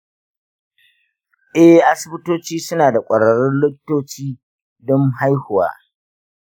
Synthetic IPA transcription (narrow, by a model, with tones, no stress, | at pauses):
ʔɛ˦hʔa˦sɪ˦bɪ˦toː˦t͡ʃiː˦sʊ˦naː˨da˨kʷʼɐ˨ɽɐ˨ɽɪ˦nlɪ˦kʲtːoː˦t͡ʃiː˦ | dɔ˦ŋɦa˦jhʊ˨wa̰ː˦